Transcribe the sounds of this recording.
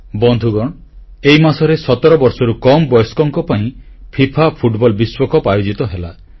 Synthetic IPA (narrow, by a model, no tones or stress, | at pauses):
bɔnd̪ʱuɡɔɽ̃ | ejmasɔɾesɔt̪ɔɾɔbɔɾsɔɾukɔmbɔjɔskɔŋkɔpaĩ | pʰipʰapʰuʈbɔlbiswɔkɔpajod͡ʒit̪ɔɦela